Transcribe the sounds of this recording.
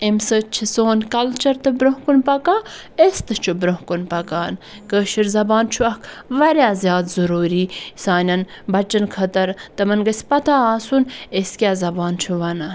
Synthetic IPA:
emsɨt͡ʃʰisoːnkɐlt͡ʃɐɾt̪ɨbɾoɦkunpɐkaː | est̪ɨt͡ʃʰubɾoɦkunpɐkaːn | kəːʃiɾzɐbaːnt͡ʃʰuɐkʰ | ʋɐɾʲjaːzʲjaːt̪zɐɾuːɾiːsaːnʲɐn | bɐt͡ʃɐnkʰɐt̪ɐɾt̪ɐmɐnɡɐsʲpɐt̪ʰaːaːsuneskʲjaːzɐbaːnt͡ʃʰuʋɐnɐ

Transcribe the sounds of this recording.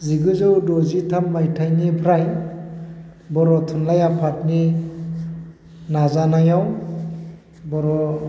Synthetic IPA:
ziɡɯzɔwdɔzitʰamːajtʰajnipʰɾaj | bɔɾɔtʰunlajapʰat̚ni | nazanajaw | bɔɾɔ

